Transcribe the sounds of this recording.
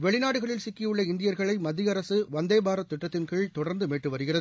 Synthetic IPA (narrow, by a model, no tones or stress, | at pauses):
ʋɛɭɪnaːɽɯɣɐɭɪlsɪkːɪjɯɭːɐɪnd̪ɪjɐɾɣɐɭɐɪmɐðːɪjɐɾɐsɯʋɐnd̪ɐjbaːɾɐt̪ːɪʈːɐt̪ːɪnkeːɭt̪ɔɽɐɾnd̪ɯmeːʈːɯʋɐɾɯɣɪrɐðɯ